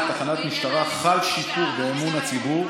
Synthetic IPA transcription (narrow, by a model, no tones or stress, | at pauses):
t̪aχanat̪miʃt̪aʁaχalʃitufbeːmunat͡sibuʁ